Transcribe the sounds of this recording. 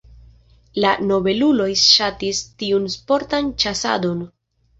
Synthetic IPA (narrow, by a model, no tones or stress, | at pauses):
lano̞be̞lulo̞jʃatistiunspo̞ɾtant͡ʃasa̰do̞n